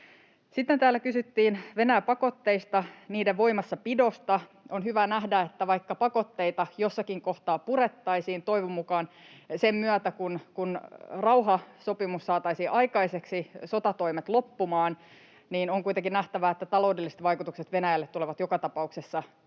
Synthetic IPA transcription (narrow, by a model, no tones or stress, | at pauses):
sit̪ːent̪æːlːækysyt̪ːiːnʋe̞næjæpɑko̞t̪ːe̞ist̪ɑniːdeʋʋo̞imɑsːɑpido̞st̪ɑ | onɦyʋænæhdæet̪ːæʋɑikːɑpɑko̞t̪ːe̞it̪ɑjo̞sːɑkiŋko̞ht̪ɑːpuɾe̞t̪ːɑisiːnt̪o̞jʋumukɑnsemmyæt̪ækunkunrɑuɦɑso̞pimussɑːt̪ɑisiʔɑjkɑiseksiso̞t̪ɑt̪o̞imet̪lo̞pːumɑːn | niːnoŋkujt̪eŋkinæht̪æʋæet̪ːæt̪ɑlo̞udelːiset̪ʋɑjkut̪ukset̪ʋe̞næjælːet̪ːuleʋɑt̪jokɑt̪ɑpɑuksesːɑ